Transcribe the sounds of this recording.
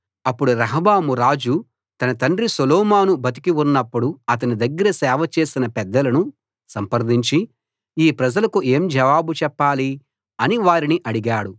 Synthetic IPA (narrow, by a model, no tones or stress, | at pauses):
ɐpːuɽuɾɐɦɐbaːmuɾaːd͡ʒu | t̪ɐnɐt̪ɐɳɖɾisolɔːmaːnubɐt̪̬i̥kiunːɐpːuɽuɐt̪̬ɐnid̪ɐɡːɐɾɐsɛːʋɐt͡ʃe̞ːsinɐpɛd̪ːɐlɐnu | sɐmpɐɾd̪iɲt͡ʃi | iːpɾɐd͡ʒɐlɐkue̞ːmd͡ʒɐʋaːbut͡ʃɛpːaːli | ɐniʋaːɾiniʔɐɽiɡaːɽu